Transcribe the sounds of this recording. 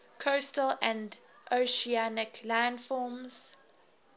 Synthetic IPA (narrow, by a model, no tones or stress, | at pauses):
kʰostəlæ̃nd | ʔoʃianɪklãndfɔːmz̥